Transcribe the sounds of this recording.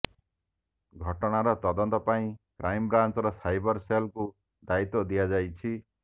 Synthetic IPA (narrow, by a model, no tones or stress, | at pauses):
ɡʱɔʈɔɽ̃aɾɔt̪ɔd̪ɔnt̪ɔpaĩkɾajmbɾant͡ʃɔɾɔsajbɔɾselku | d̪ait̪ɔd̪ijad͡ʒajt͡ʃʰi